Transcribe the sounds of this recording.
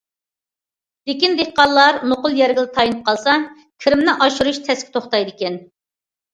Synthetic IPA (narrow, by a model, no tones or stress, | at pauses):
d̪̥ekʲind̪ehqɑllːˠɑɾmoqʊlˠjɛɾɡʲilˠɪt̪ʰɑjinɨp̚qʰɑlˠsɑ | kʲʰiɾɪmnɪʔɑʃuɾuʃt̪ʰɛskʲʰɪ̥t̪ʰoχt̪ɑjd̪ɪkʲɛn